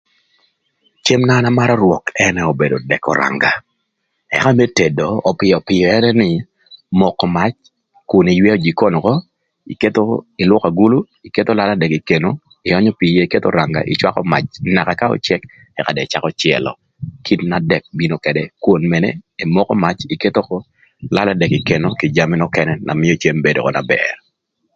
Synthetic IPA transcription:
t͡ʃe˦mna˦na˦ma˦ɾɔ˦ɾwɔ˨kɛnɛo˨be˨do˨dɛ˨kɔ̰˨ɾa̰˨ŋɡa˨ | ɛ̰˨ka˦me˦te˨doː˨pɪ˨ɔ˨pɪ˨jɔ˨ɛ˦nɛ˦nɪ˨ | mɔ˨kːɔ˨ma˦t͡ʃ | kʊ˨ni˨jwɛ˦o˦d͡ʒi˨ko˦n˨kɔ˦ | i˨ke˦t̪o˦ɪ˨lwɔ˦ka˨ɡu˦lu˦ | i˨ke˦t̪o˦la˦la˦dɛ˨ki˨ke˨no˦ | ɪ˨jɔ˦ɲɔ˦pi˨je˦i˨ke˦t̪o̰ɾa˨ŋɡa̰˨ʔɪ̰˨t͡ʃwa˦kɔ̰˦ma̰˨t͡ʃna˨kaka˦ɔ̰˨t͡ʃɛ˦k | ɛ˨ka˨dɛ˨t͡ʃa˦kɔt͡ʃɪɛ̰˨lɔ̰˨ | kʰi˦tnadɛ˨k̚bi˦no˨kɛdɛkwo˨nmɛ˨nɛi˨mɔ˦kɔ˦ma˦t͡ʃike˦t̪o˦kɔ˦ | la˦ladɛ˨ki˨ke˨no˦ki˨d͡ʒa˨mi˦nɔ˦kɛnɛna̰˨mɪ˦ɔ˦t͡ʃe˦mbedo̰˨kɔ̰˨na̰˨bɛ̰r

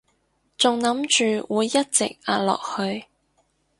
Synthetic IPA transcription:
t͡sʊ˨ŋnɐ˨˥mt͡ʃyː˨˩wuː˨˧jːɐ˥t̚t͡sɪ̰˨k̚aː˧lɔ̰ː˨k̚hɵ˧ɥ

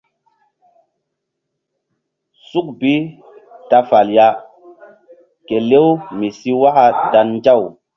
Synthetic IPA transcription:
su˦k̚bi˦ | ta˦fa˨lja˦ | ke˨le˦wmi˨si˦wa˦ka˦da˨nːd͡ʒa˦˨w

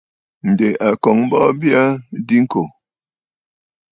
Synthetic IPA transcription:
n̩˨de˨a˨kɔ˨ŋm̩˦bɔ˦bja˦di˦ŋ̩˦ko˨

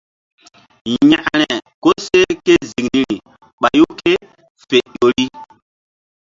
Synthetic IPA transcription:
ɲã˨ʔɾɛ˨ko˦se˦ke˦zi˨kni˨ɾi˨ | ɓa˨ju˦ke˦ | fe˨ʄo˨ɾi˦

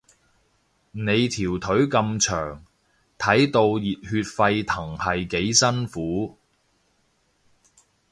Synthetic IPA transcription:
ne˨˧jt̪ʰiː˨˩wt̪ʰɵ˨˥ɥkɐ˧mt͡ʃʰœː˨˩ŋ | t̪ʰɐ˨˥jt̪o˧wjiː˨t̚hyː˧t̚fɐ˧jt̪ʰɐ˨˩ŋhɐ˨jke˨˥jsɐ˥nfuː˨˥

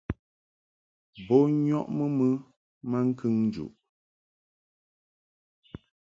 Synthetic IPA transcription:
bo˦ɲɔ˦ʔmə˦mə˦ | ma˦ŋ̩˦kʰɨ˦ŋn˦d͡ʒṵ˨ʔ

